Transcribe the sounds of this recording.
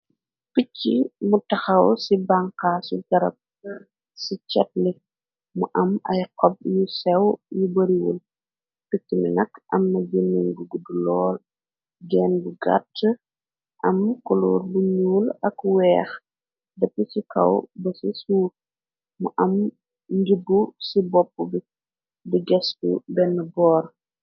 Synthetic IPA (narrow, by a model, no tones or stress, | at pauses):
kucːimutɐxɐwsibaŋqaːsuɡɐɾɐ̰p̚ | sit͡ʃɛt̚li | muʔɐmɐjqɔb̚jusɛwjubəɾiwṵl | kutːimḭnɐkːʔɐmːɐd͡ʒənːiŋɡuɡudulɔːl | ɡɛːnbuɡa̰tː | ʔɐmkɔluːɾbuɲuːlɐkwɛːx | dɛpːəsikɐ̰wbɐsisuːt̚ | muʔɐm | ɲɡibːusibɔpːubi | diɡɛskṵbɛnːəbɔːɾ